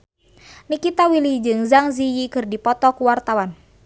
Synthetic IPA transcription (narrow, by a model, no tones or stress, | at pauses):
nikit̪awilid͡ʒɨŋzaŋzijikɨrdipɔt̪ɔkuwart̪awan